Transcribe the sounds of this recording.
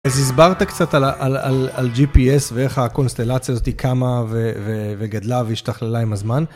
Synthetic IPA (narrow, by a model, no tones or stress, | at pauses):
azizbaʁt̪akt͡sat̪alʔalalald͡ʒipiesvee̞χako̞nst̪elat͡sjazot̪ikʰamaveveveɡadlaveiʃtaχlelaimazman